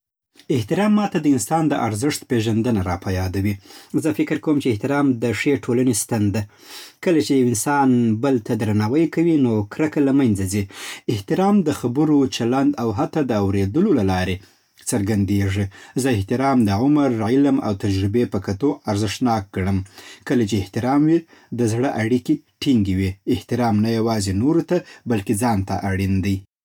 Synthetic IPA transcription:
ɪht̪ɪɾɑmːɑt̪ad̪əɪnsɑnd̪əʔa̰ɾzɪʂt̪peʒand̪ənaɾɑpajɑd̪awizəfɪkɪɾkawəmt͡ʃeɪht̪ɪɾɑmd̪əʂeʈʰolanest̪and̪a | kəlat͡ʃejawɪnsɑnbəlt̪ʰad̪ɾanɑwəjkawinokɾakalamanzaziɪht̪ɪɾɑmd̪əxabəɾot͡ʃaland̪awɦat̪ɑd̪əawɾed̪əlolalɑɾe | t͡səɾɡand̪eʐizəɪht̪ɪɾɑmd̪əʕʊmaɾːɪjləmʔa̰wt̪ad͡ʒɾɪbepəkat̪oaɾzɪʂnɑk̚ɡɽəmkəlat͡ʃeːht̪ɪɾɑmwi | d̪əzɽəʔaɽiki | ʈiŋɡewiɪht̪ɪɾɑmnajawɑzenoɾot̪abalked͡zɑnt̪a̰ʔaɽind̪əj

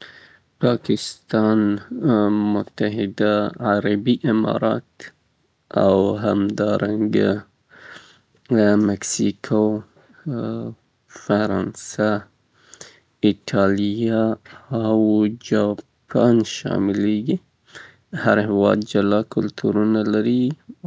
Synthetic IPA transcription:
pɑkɪst̪ɑn | mʊt̪aɦɪd̪aʕaɾabiʔɪmɑ̰ɾɑ̰t̪ | a̰wɦamd̪ɑɾaŋɡa | mɛksikʰo | faɾɑnsa | ɪʈʰɑlijaawd͡ʒɑpʰanʃɑ̰mɪleɡi | haɾhɪwɑ̰d̪̚d͡ʒalɑkʊlt̪ʰuɾunalaɾi

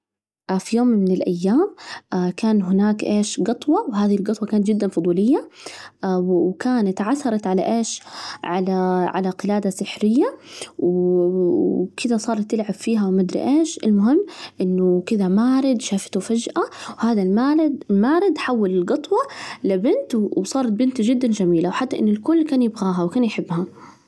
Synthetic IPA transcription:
ʔfijoːmːɪnɪlʔajːaːmʔakaːnɦʊnaːkʔeːʃɡɨt̪ˤwɑwɦaːðihilɡɨt̪ˤwɑkaːnat̪d͡ʒɪd̪ːanfʊd̪ˤuːlɪjːa | wkaːnat̪ʕaθːɑɾˤɑt̪ʕala̰ʔeːʃʕalaʕa̰laqɪlaːd̪asɪħɾɪjːaw | kɪd̪asˤɑːɾˤɑt̪ːɪlʕabfiːɦawmad̪ɾɪ̰ʔeːʃɪlmʊɦɪmːʔɪnːʊkɪd̪amaːɾɪd̪ʃaːfɪ̥t̪ufad͡ʒʔawhaːðalmamaːɾɪd̪ħawːalɪlɡɨt̪ˤwɑlɪbɪnt̪wsˤɑːɾˤɑt̪̚bɪnt̪d͡ʒɪd̪ːand͡ʒamiːlawħat̪ːaʔɪ̰nːʊlkʊlːkaːnjɪbɣaːɦawkaːnjħɪbːha

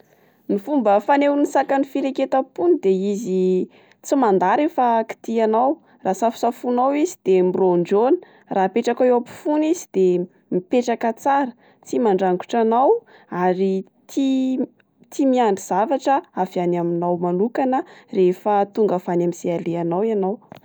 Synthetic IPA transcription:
nifumbəfanewnisakanifiɾeket̪əpunid̪eizi | t͡simand̪aɾefəki̥t̪ianaw | rasafu̥safunawizid̪emiroɳɖ͡ʐonə̥ | rʔaːpeʈ͡ʂakaweapi̥funizid̪̥e | mipeʈ͡ʂakət͡saɾə̥ | t͡simaɳɖ͡ʐaŋɡu̥ʈ͡ʂanaw | aɾi | t̪ʰi | t̪imiaɳɖ͡ʐiz̥avaʈ͡ʂəafianaminawmanukanərefət̪uŋɡəfanamisealeanawianaw

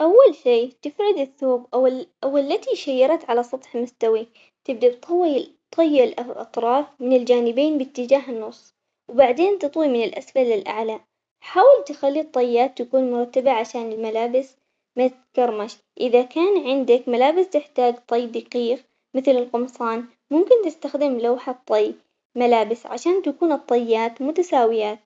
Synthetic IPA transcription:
ʔawːalʃiːt̪ɪfʕʊd̪ɪθːoːbʔaʔawɪlːat̪iʃajːɑɾˤɑt̪ʕalasˤɑt̪ˤħmʊst̪awi | t̪ɪb̚d̪abt̪ʰˤɑwːit̪ˤʰːɑjːʔɪlʔʔɑ̰t̪ˤɾˤɑːfmɪnɪld͡ʒaːnɪbeːnbɪt̪ːɪd͡ʒaːɦnːʊsˤː | wbaʕd̪eːnt̪ɨt̪ˤwimɪnɪlʔasfalːɪlʔa̰ʕla | ħaːwɪlt̪ɪxalːit̪ˤːɑjːaːt̪ːakuːnmʊɾˤɑt̪ːabaʕaʃaːnɪlmalaːbɪs | mɪ | kɑɾˤmaʃ | ʔɪðakaːnʕɪnd̪akmalaːbɪst̪ɪħt̪aːd͡ʒt̪ˤɑjːd̪aqiːx | mɪθlɪlqʊmsˤɑːn | mʊmkɪnt̪ɪst̪axd̪ɪmlawħat̪ˤːɑj | malaːbɪsʕa̰ʃaːnt̪akuːnɨt̪ˤːɑjːaːt̪mʊt̪asaːwɪjaːt̪̚

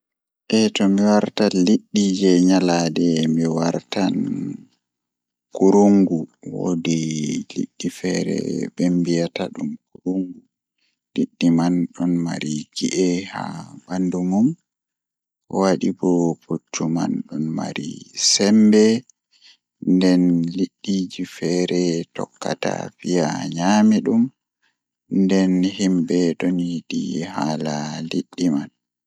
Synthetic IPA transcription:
ʔɛtɔmiwaɾtaliɗːid͡ʒɛɲaladɛmiwaɾtan | kuɾuŋɡuwo̰dilḭɗːifɛɾɛ̰bɛmbijataɗumkuɾuŋɡu | liɗːimanɗɔnmaɾiɡiʔɛha̰bandumum | waɗibɔpʰutːuma̰nɗɔnma̰ɾḭsɛmbɛ | ndɛnliɗːid͡ʒifɛɾɛtɔkːa̰ta̰fijaɲamiɗum | ndɛnhimbɛɗoniɗihalaliɗːiman

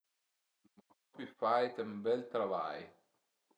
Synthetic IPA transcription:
ɔpifajt̪ɐmbɛlt̪ɾava̰j

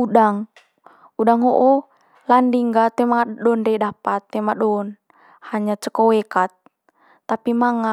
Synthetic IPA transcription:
uɗaŋ | udaŋɦoʔɔ | landiŋɡat̪ɛmaɗɔndedapat̪ːɛmaɗɔn | haɲat͡ʃəkɔwɛkat̪̚ː | apimaŋa

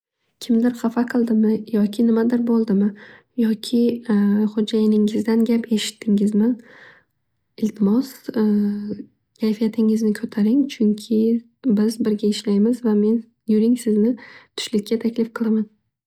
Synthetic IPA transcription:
kʲʰɪmd̪ɪɾχafaqʰɨlˠd̪ɪmɪjɒkʲʰɪnɪmad̪ɪɾbolˠd̪ɪmɪ | jɒkʲʰɪχod͡ʒajɪnɪŋɪzd̪anɡʲapʰe̞ʃɪ̥t̪ʰːɪŋɪzmɪn | ɪlt̪ʰɪmɒs | kʲʰajfijat̪ʰɪŋɪznɪkʰɵt̪ʰaɾɪŋt͡ʃʰʊŋkʲʰɪ | bɪzbɪɾɡʲaɪʃlajmɪzvame̞n | jʊɾɪŋsɪznɪt̪ʰʊ̥ʃlɪkʲːat̪ʰakʲlɪfqʰɨlˠaman

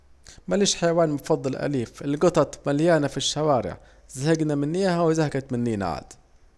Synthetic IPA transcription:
maliːʃħajawaːnmʊfɑd̪ˤːɑlʔæ̰liːfʔɪlɡɑt̪ˤɑt̪ˤmaljaːnafiʃːawaːɾɪ̰ʕ | zahɪɡnamɪnːɪjahawɪzahaɡat̪mɪnːiːna̰ʕa̰d̪

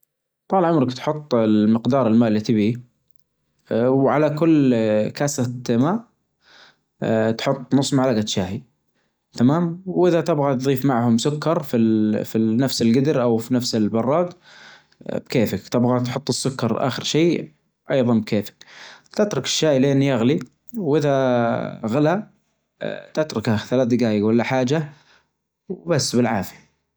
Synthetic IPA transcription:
t̪ˤɑːlʕʊmɾɪkt̪ħʊt̪ˤːlmɪqd̪ɑːɾˤɪlmaːʔlːit̪ɪbi | wʕalakʊlːkasamaːʔ | t̪ħʊt̪ˤːnʊsˤːmaʕlaɡat̪ʃaːhi | t̪amaːmwwʔɪðat̪ɪbɣat̪ðˤiːfmaʕhʊmsʊkːɑɾˤfifinafsɪlɡɪd̪ɾʔawfinafsɪlbɑrˤːɑːɡ | b̥keːfɪkt̪ɪbɣat̪ħʊt̪ˤːɨsːʊkːɑɾˤʔa̰ːxɪɾʃeː | ʔɑjðˤɑnbkʰeːfɪ̥kt̪ɪt̪ɾˤʊkɪ̥ʃːaːjilɪʔɪnːijaɣli | wʔɪða | ɣɪla | t̪ɪt̪ɾˤʊkhaθalaːθd̪ɪɡaːjalːaħaːd͡ʒa | wbasːbɪlʕaːfi

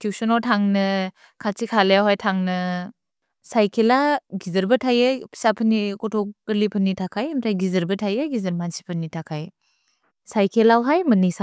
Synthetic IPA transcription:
kʰiwsɔnɔtʰaŋnɯ | kʰatikʰalejawɦajtʰaŋnɯ | sajkʰelaɡizɐɾbɐtʰajapʰi̥sapʰənikɔtʰɔɡəlipʰɯnːitʰakʰajemtʰajɡizɐɾbɯtʰajaɡizɐɾmansi̥pʰɯnitʰakʰaj | sajkʰelawɦajmɯnisa

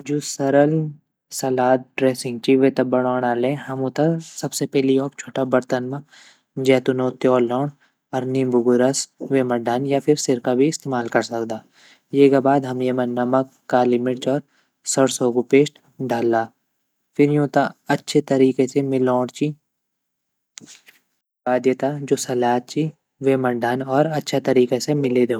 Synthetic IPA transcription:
d͡ʒoːsɐɾəl | sɐlaːt̪̚ɖɾeːsɪ̃ŋɡ̚t͡ʃiʋet̪ɐbɐɽ̃ɔːɽ̃aːlẽɦɐmũt̪ɐsɐbsepɛɦliɔːpt͡ʃʰoːʈabɐɾt̪ənmã | d͡ʒɛːt̪ʊnõːt̪jɔːlːɔːɳ | ɔɾnibʱʊɡʊɾəsʋemɐɖʱaːnjapʰɪɾsɪɾkabʱiɪst̪eːmaːlkɐɾsɐkd̪aː | jeːɡabaːd̪ɦɐmjemənɐməkːalɪmɪʈɔːɾ | sɐɽsoːɡupeːʃʈ | ɖʱaːlːaː | fʰɪɾjũt̪aɐtːʃʰet̪ɐɾiːkesemɪlːɔːɽt͡ʃi | baːd̪jət̪ad͡ʒoːsɐlaːt̪̚t͡ʃi | ʋemɐɳɖaːnɔːɾɐtːʃʰat̪ɐɾiːkesemɪled̪e

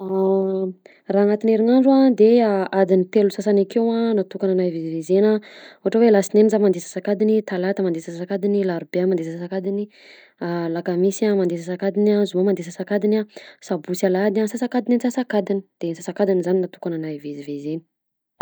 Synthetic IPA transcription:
a | raːnat̪ineɾinaɳɖ͡ʐuad̪eaad̪init̪elusasanakewanat̪ukananajvezivezenauɦaʈ͡ʂawelasinenizamand̪esḁsakad̪init̪alat̪əmand̪esassakad̪inilaɾubeamand̪essasakad̪ini | alakamisamand̪esasakad̪inazumamand̪esasakad̪inasabusalad̪asasakad̪inanisasakad̪ini̥d̪̥ensasakad̪inizaninat̪u̥kananajvezivezeni̥

